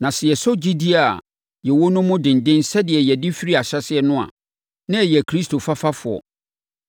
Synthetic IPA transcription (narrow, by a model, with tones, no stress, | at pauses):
nã˨sɪ˨jɛ˨sɔ˦d͡ʑi˦di˦a˨ | jɛ˨wo˦nʊ̃˦mʊ̃˦dɪ̃˨n̩˨dɪ̃˦nsɛ˦dɪ˨ɛ˨jɛ˨dɪ˦fi˦ɾi˦a˨ɕɛ˦sɪ˦ɛ˦nʊ̃˦a̰˨ | nã˦ɛ˨jɛ˨kʰɾi˦stʰo˨fa˦fa˦fʊ˨ɔ̰˨